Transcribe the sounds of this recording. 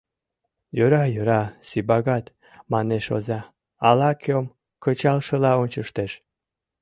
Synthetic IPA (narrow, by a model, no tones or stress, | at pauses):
jøɾɑjøɾɑsibɑɣɑt̪ | mɑneʃo̰zɑ | ɑlɑkʰom | kət͡ɕɑlʃəlɑonʲt͡ɕəʃt̪eʃ